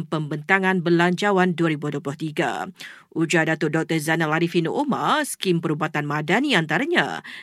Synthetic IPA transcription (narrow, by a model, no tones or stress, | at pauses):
mpəmbənt̪aŋãnbərlaɲt͡ʃawanduaɾibuduoplʊht̪iɡa̰ʔud͡ʒadat̪ʊdɔk̚t̪əzanalaɾifinoʔoma̰skimpəɾubat̪anmadaniant̪aɾaɲã̰